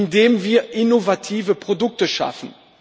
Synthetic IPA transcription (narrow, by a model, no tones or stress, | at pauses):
ndeːmviːɐʔɪnovatʰiːvəpʁ̥odʊk̚təʃa̰fn̩